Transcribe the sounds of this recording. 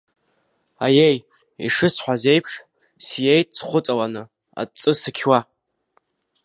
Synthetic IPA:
ajej | ḭʂɨsħʷaze̞jpʰʂ | sjejtʼt͡sʰχʷʊt͡sʼawanɨ | a̰t͡sʼɨsɨkʲʰwa

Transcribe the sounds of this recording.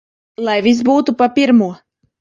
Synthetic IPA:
lˠajvʲis̬buːt̪upapʲiɾmuɔ

